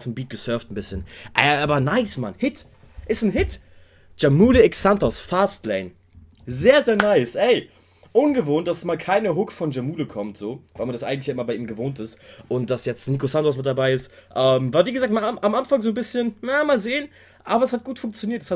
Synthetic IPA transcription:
fn̩biːt̚ɡ̥əsœɐftn̩bɪsçənʔɛ̰ʔaːbɐnaɪsma̰nhɪt | ʔɪstn̩ɦɪt | d͡ʒ̥amuːləɛksantɔsfaːstlɛɪn | zeːɐzeːɐnaɪsʔɛɪ | ʔʊnɡəvoːnt̚d̥asmaːlkʰaɪnəɦʊkfɔnd͡ʒamuːləkʰɔmtz̥oːvaɪlmandasʔaɪŋtlɪçjaːɪmɐlbaɪʔiːmɡəvoːntɪstʔʊnt̚d̥asjɛt͡stniːkosantɔs̬mɪt̚d̥abaɪɪstʔɛːmvaːɐviːɡəzaːk̚tmaʔamʔanfaŋzoːnbɪsçənnamaːlzeːən | ʔaːbɐɛshat̚ɡ̥uːtfʊŋkt͡sjoniːɐtɛ̥sha

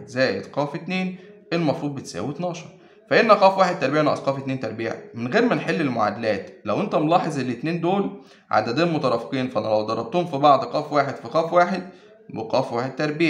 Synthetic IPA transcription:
zæːjed̪qɑːfet̪neːn | elmɑfɾuːd̪̚bet̪sæ̰ːwit̪nɑːʃɑɾˤ | fæʔenːæqɑːfwaːħed̪̚t̪ɑɾˤbiːʕnɑ̰ʔsqɑːfet̪neːnt̪æɾˤbiːʕ̰menɣeːɾmenħelːelmoʕa̰d̪ælæːt̪læwʔent̪æmlɑːħezˤʔelːet̪neːnd̪oːl | ʕa̰d̪æd̪æːnmot̪ɑɾˤɑfqiːnfæʔænælæwd̪ɑɾˤːɑt̪ːuːmfibɑʕd̪qɑːfwaːħed̪fiqæːfwaːħed̪ | wḛqɑːfwaːħed̪̚t̪æɾˤbiːʕ

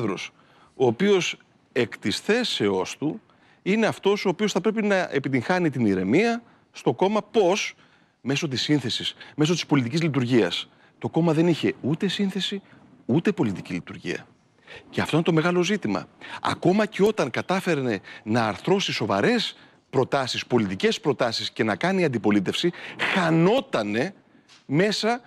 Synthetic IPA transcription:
ðɾos | o̞ːpio̞s | e̞kt̪isθe̞se̞o̞st̪u | ineɐft̪o̞so̞ːpio̞sθɐpɾepinɐʔe̞pit̪̬iŋxɐnit̪iniɾe̞miɐ | st̪o̞ko̞mɐpo̞s | me̞so̞t̪isːinθe̞sisme̞sot̪i̥spo̞lit̪icizlit̪̬uɾʝiɐs | t̪o̞ko̞mɐðe̞niçe̞ut̪e̞sinθe̞si | ut̪e̞po̞lit̪icilit̪uɾʝḭɐ̰ | ceɐft̪oinet̪o̞me̞ɣɐlo̞zit̪imɐ̰ɐ̰ko̞mɐceo̞t̪ɐŋkɐt̪ɐfe̞ɾne̞nɐːɾθɾo̞siso̞vɐ̰ɾe̞s | pɾo̞t̪ɐsispo̞lit̪ice̞spɾo̞t̪ɐsisce̞nɐkɐniɐnd̪ipo̞lit̪e̞fsixɐno̞t̪ɐne̞ | me̞sɐ

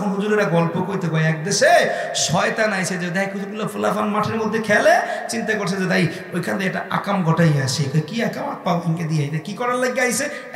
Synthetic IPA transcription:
ɔnɦud͡ʒuɾeɾaɡɔlpokoɾit̪ekɔjɛk̚d̪esesɔjt̪anajsʰed͡ʒed̪ɛkʰud͡ʒʰuɾbulapʰulapʰanmaʈʰeɾmod̪ʱːekʰɛlet͡ʃint̪akoɾsʰed͡ʒet̪aj | ojkʰand̪ɛkʈaʔa̰kamɡʱɔʈajasʰekɔkiakamɔt̚pawiŋked̪iajt̪akikɔɾaleɡaɦijse

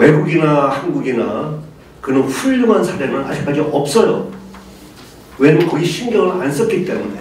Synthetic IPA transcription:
weɡuɡinahanɡuɡina | kɯnɯnɸuʎːuŋansʰaɾe̞nɯna̰d͡ʑik͈ad͡ʑiʔʌp̚s͈ʌjʌ̰ | wenɯnkʌɡiɕʰinɡjʌŋɯɭans͈ʌk͈it͈e̞̰mune̞

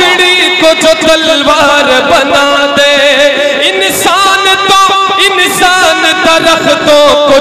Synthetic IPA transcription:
ɪɽi | kotot̪əlʋaːɾbənaː | d̪eː | ɪn | saːnt̪õː | ɪnsaːnt̪ɐɾəxt̪õko

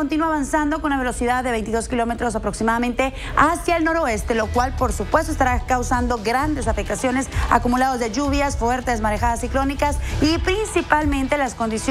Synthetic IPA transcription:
ont̪inuaβansand̪o̞konunaβe̞lo̞siðaððe̞βe̞jnt̪iðo̞skilo̞me̞t̪ɾo̞s̬apɾo̞ksimaðamẽnt̪e̞ | asjaelno̞ɾo̞e̞st̪e̞lo̞kwalpo̞ɾsupwest̪oest̪aɾakawsand̪o̞ɡɾand̪e̞safek̚t̪asjo̞nesa̰kumulaðo̞zðe̞ʝuβjasfwe̞ɾt̪ezmaɾexaðasiklo̞nikasipɾinsipalmẽ̞nt̪elasko̞nd̪is

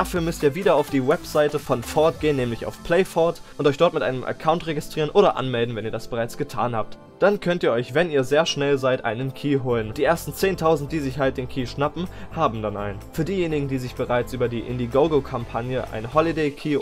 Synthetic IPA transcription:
d̥afyːɐmʏstiːɐviːdɐaʊfd̥iːwɛpz̥aɪtəfɔnfɔɐt̚ɡ̥eːənːɛːmlɪça̰ʊfpʰl̥ɛɪfɔɐtʔʊntʔɔʏçd̥ɔɐtmɪtʔaɪnəmʔɛ̰ɐkʰaʊntʁ̥eɡɪstʁ̥iːʁənʔoːɾɐʔa̰nmɛldn̩vɛniːɐdasb̥əʁaɪt͡sɡ̥ətʰa̰ːnha̰ːp̚t | d̥ankʰœntiːɐɔʏçvɛniːɐzeːɐʃnɛlzaɪtʔa̰ɪnənkʰiːɦoːlənd̥iːʔeːɐstn̩t͡seːntʰaʊzn̩t̚d̥iːzɪçhalt̚d̥eːnkʰiːʃnapm̩haːbm̩dana̰ɪnfyːɐdiːjeːnɪɡŋ̩diːzɪçb̥əʁaɪt͡sʔyːbɐdiːʔɪ̰ndiɡoʊɡəkʰampʰanjəʔa̰ɪnhɔlideɪkʰiː

